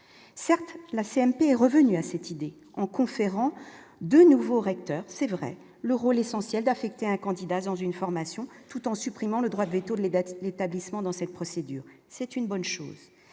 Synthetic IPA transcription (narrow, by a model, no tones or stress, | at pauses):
sɛʁt̪laseɛmpeɛʁəvənyasɛt̪id̪e | ɑ̃kɔ̃feʁɑ̃d̪ønuvoʁɛk̚t̪œːʁsɛvʁɛ̰ | ləʁolesɑ̃sjɛld̪afɛk̚t̪eɛ̃kɑ̃d̪id̪adɑ̃zynfɔʁmasjɔ̃t̪ut̪ɑ̃sypχimɑ̃ləd̪ʁwad̪əvet̪od̪let̪ablismɑ̃d̪ɑ̃sɛt̪̚pχɔsed̪y̰ːʁ | sɛt̪ynbɔnʃo̰ːz